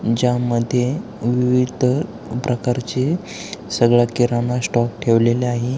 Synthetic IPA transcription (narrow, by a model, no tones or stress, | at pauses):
d͡ʑaməd̪ʱje | ʋiʋid̪ʱə | pɾəkaɾt͡ɕe | səɡɭjakiɾanasʈɔk̚ʈʰeʋleleaɦe